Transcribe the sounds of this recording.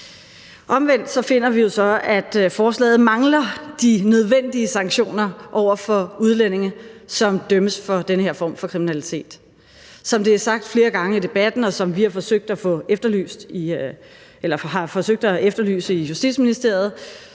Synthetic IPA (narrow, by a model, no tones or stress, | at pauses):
ʔɒ̽mʋen̰d̥sɒ̽fe̝n̰ɐʋijo̝sɒ̽æd̥fɒːslɛ̰ːð̩ˠmɑ̈ŋlɐd̥inøð̞ˠʋen̰d̥iəsɑ̈ŋɡ̥ɕo̝̰ːnɐʔɒʊ̰ɐfɒ̽uð̞ˠlen̰e̝ŋɐsɒ̽md̥œməsfɒ̽d̥enəhe̝ɐ̰fɒ̰ːmfɒ̽kʰʁiminælit͡sʰe̝̰ːd̥ | sɒ̽md̥e̝æɐsɑ̈ɡ̥̚d̥fle̝ːɐɡ̥ɑ̈ŋəid̥e̝b̥æd̥n̩ɒ̽sɒ̽mʋihɑ̈fɒ̽søɡ̥̚d̥æfɔ̽efd̥ɐly̰ːsd̥i | ʔelɐɦɑ̈fɒ̽søɡ̥̚d̥æefd̥ɐly̰ːsəijusd̥ḭd̥sminisd̥e̝ɐ̰ð̞̩ˠ